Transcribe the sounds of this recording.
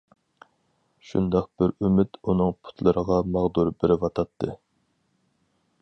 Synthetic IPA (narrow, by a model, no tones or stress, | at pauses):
ʃṵnd̪ɑq̚b̥ɪɾymɪt̪unɨŋpʰu̥t̪ʰlˠɨɾəʁɑmɑʁd̪uɾbɪɾɪvɑt̪ʰɑt̪ʰːɨ̰